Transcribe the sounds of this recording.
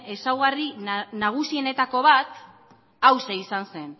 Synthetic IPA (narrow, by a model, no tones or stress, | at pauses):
e̞sawɣarinaɣ̞usie̞ne̞t̪ako̞β̞at̪ | awseisanse̞n